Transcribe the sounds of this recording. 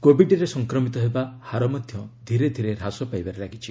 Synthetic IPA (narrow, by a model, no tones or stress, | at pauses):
kobiɖɾesɔŋkɾɔmit̪ɔɦebahaɾɔmɔd̪ʱjɔd̪ʱiɾed̪ʱiɾeɾasɔpajbaɾeɾaɡit͡ʃʰi